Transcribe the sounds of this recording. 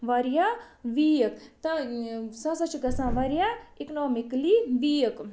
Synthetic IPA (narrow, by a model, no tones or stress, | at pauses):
ʋɐɾjaʋijəkt̪ɐsɐ̃sɐt͡ʃʰiɡɐsãːʋɐɾjaiknoːmikliʋijək